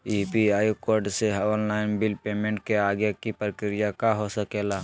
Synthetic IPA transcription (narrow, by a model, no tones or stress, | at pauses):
ipiaːjokoːɾɖseɦɔːnlaːɪnbɪlpeːmẽːɳʈ̚keaːɡjakipɾəkɾɪjakaɦosəkeːlaː